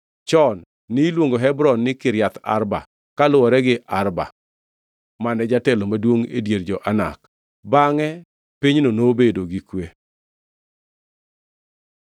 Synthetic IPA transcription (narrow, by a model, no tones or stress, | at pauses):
t͡ʃɔnː | ɪlwoŋɡoɦɛbɾɔnːɪkɪɾjat̪a̰ɾba̰ | kalʊwɔɾɛɡɪʔarba̰ | manɛd͡ʒatɛlomadwoŋḛdjerd͡ʒɔʔana̰k | baŋɛ | piɲnonobedoɡikwe